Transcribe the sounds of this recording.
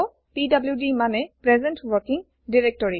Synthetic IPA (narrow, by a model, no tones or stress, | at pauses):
ɔ | pidabljudimanɛpɹɛzɛntwɔɹkiŋ | diɹɛk̚tɔɹi